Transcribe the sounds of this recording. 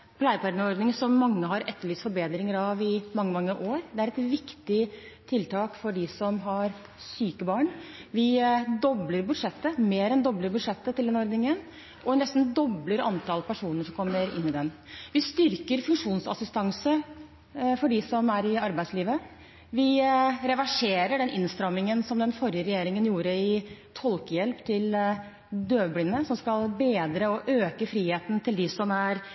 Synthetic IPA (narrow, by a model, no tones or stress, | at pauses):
pʰlæɪəpʰɑɾɖ̪nɔɾd̪nɪŋsɔmːɑŋːəɦɑɾɛt̪ʰːəɭiːsfɔɾbeːd̪ɾɪŋəɾɑʋɪmɑŋːəmɑŋːəʔoːɾd̪ɛæɾɛt̪ʋɪkt̪ɪt̪ʰɪlt̪ʰɑːkfɔɖɪsɔmɦɑɾ | syːkəbɑːɳʋɪd̪ɔbləɾbʉd̪ʂɛt̪ːəmeːɾɛnd̪ɔbləɾbʉd̪ʂɛt̪ːət̪ɪld̪ɛnɔɾd̪nɪŋən | ʔɔɛnɛst̪nd̪ɔbləɾɑnt̪ʰɑlpʰæʂuːnəʂɔmkʰɔmːəɾɪ̰nːɪd̪ɛnʋɪst̪ʏɾkəɾfʉŋʂuːnsɑ̰sɪst̪ɑŋsə | fɔɖɪsɔmæɾɪɑɾbæɪd̪sliːʋə | ʋɪɾɛʋæʂeːɾəɖɛnʔɪnst̪ɾɑmɪŋənsɔmd̪ɛnfɔɾjəɾɛjeːɾɪŋənjuːɾəɪt̪ʰɔlkəjɛlpt̪ʰɪl | d̪øːblɪnːəsɔmskɑlbeːd̪ɾəɔʔøːkəfɾiːheːt̪nt̪ʰɪld̪ɪsɔmæɾ